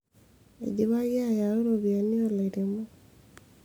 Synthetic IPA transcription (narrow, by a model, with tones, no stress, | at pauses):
ḛɟiβa˦ɣja˦jao˦ɾoβja˨ni˦ola˨iɾemo˦